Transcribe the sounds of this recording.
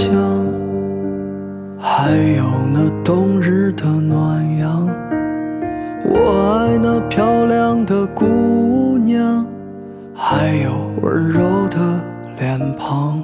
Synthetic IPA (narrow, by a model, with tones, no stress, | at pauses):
jɑ˥ŋ | xa˧˥ɪjo˨˩ʊna˧t̪ʊ˥ŋɻ̩˥d̪ə˧nwa˨˩njɑ˧˥ŋ | wʔɔ˨˩a˥ɪna˧pʰjɑ˥ʊljɑ˥ŋd̪ə˨ku˥njɑ˥ŋ | xa˧˥ɪjo˨˩ʊə̰˧˥ɻo˧˥ʊd̪ə˨ | ljɛ˨˩npʰɑ˧˥ŋ